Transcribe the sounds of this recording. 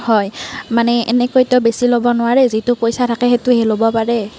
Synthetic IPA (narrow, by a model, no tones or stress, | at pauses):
hɔjmanɛɛnɛkojtɛʊbesilobɔnʊwaɹɛzitʊpojsatʰakɛɦetʊhelobɔpaɹɛ